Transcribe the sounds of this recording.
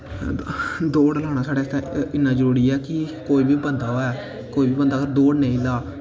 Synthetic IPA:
d̪oːɽəlaːñaːsaːɽeːst̪ãɪnːãːd͡ʒəɾuːɾiːɛːkɪkoːiːbiːbənd̪aːoɛː | koːiːbiːbənd̪aːkəɾd̪oːɽnẽːĩːlaː

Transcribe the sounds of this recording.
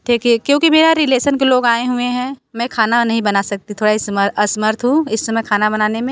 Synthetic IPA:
ʈʰiːkiɛkjõːkimeːɾaɾɪleːʃənkeloːɡaːeɦʊeɦɛ̃ːmɛ̃kʰaːnanɐɦĩbɐnasɐk̚t̪it̪ʰoːɽaisməɐsməɾt̪ʰɦũɪsːɐmɛkʰaːnabɐnaːnemẽ

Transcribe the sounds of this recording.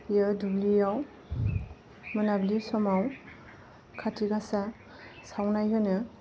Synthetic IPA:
jadublijaw | mɯnablisɔmaw | kʰatʰiɡasa | sawnajɦɯnɯ

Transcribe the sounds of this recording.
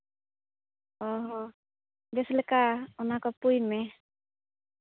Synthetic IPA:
ɔɦɔ̃ | bɛslekaunakɔpujmɛ

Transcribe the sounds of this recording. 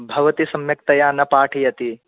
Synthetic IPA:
bʱɐʋɐt̪isɐmjɐk̚t̪ɐjaːnɐpaːʈʰijɐt̪i

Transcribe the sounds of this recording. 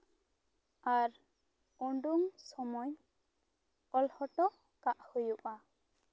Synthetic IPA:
aɾ | ɔɳɖuŋsɔmɔj | ɔlhɔʈɔ | kaʔhujuʔa

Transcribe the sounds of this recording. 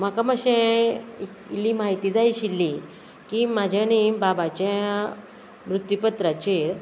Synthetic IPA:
makaməɕɛ̃iklimaɦit̪iːd͡zajɕilːi | kimad͡ʑʱjanibabat͡ɕja | mɾut̪jipət̪ɾat͡ɕiɾ

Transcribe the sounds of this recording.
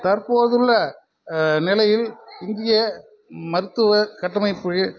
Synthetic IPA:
t̪ɐɾpoːðɯɭːɐ | nɪlɐjɪlɪnd̪ɪjɐ | mɐɾɯt̪ːɯʋɐkɐʈːɐmɐɪpːɯ

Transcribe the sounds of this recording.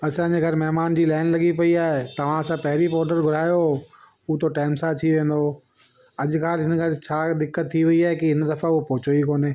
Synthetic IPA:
ɐsãːɲd͡ʑeɡʱɐɾmɐɦmaːnd͡ʑiːlaːnlɐɠipɐiaːɦet̪ɐʋ̤ãɐsãpɐɦɪɾipɔːɾɖəɾɡʱʊɾaːjo | ʊt̪ʰoʈaːɪmsaːt̪ʰiʋẽːn̆d̪o | ɐʄʊ̆kʰaːlɦɪnəɡʰɐɾt͡ɕʰaːd̪ɪkːət̪ʰːiʋɐiaːɦekiɦɪnd̪ɐfãʊpɔːt͡ɕoikoːneː

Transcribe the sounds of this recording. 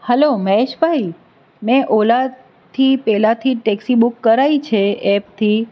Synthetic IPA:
hɛloməɦeʃbʱaj | mɛ̃ʔola | t̪ʰipɛlat̪ʰiʈɛksibukːəɾait͡ʃʰeɛpt̪ʰi

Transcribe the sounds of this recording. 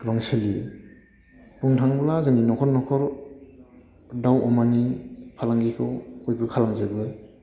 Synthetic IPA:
ɡɾɔŋsɯli | puŋtʰaŋblazɯŋninɔkʰɔɾnɔkʰɔɾ | dawɔmanipʰalaŋɡikʰɯwɔjbɯkʰalaŋzɯbɯ

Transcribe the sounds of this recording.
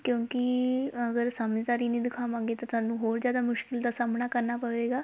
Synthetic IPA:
kjõːkɪəɡəɾsaːməd͡ʒd̪aːɾiːnə̃ːd̪ɪkʰaːmãːŋɡeːt̪aːt̪ʊaːnũːɦoːɾd͡ʒjaːd̪aːmʊʃkɪld̪aːsaːmnaːkəɾnaːpəʋeːɡaː

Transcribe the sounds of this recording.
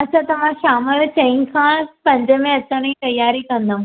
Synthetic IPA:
ɐsãt̪ɐʋ̤ãʃaːməlt͡ɕɐ̃ɦĩkʰãːpɐ̃ɲd͡ʑəmẽɐt͡ɕəɽ̃it̪ɐjːaːɾikɐ̃nd̪aũ

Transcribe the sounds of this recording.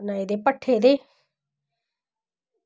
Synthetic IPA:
naid̪epɐʈʰeːd̪e

